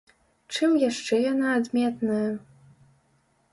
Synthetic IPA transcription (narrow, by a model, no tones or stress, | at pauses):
ʈ͡ʂʰɨmjaʂʈ͡ʂɛjɔnaːd̪mʲet̪nɨ